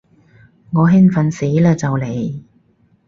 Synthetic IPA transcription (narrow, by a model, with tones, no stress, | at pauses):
ŋɔː˨˧ɦɪ˥ŋfɐ˨nsi˨˥jlɛː˧t͡sɐ˨wle˨˩j